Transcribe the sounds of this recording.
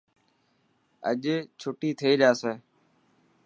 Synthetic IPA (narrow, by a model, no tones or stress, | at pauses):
ə̰ʄeːt͡ʃʰʊʈiːt̪ʰəiːɗaːseː